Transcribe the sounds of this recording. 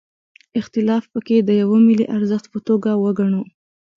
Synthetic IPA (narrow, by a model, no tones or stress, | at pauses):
ɪxt̪ɪlɑfpəked̪əjawomilḭʔaɾzəxt̪pət̪oɡawəɡaɳo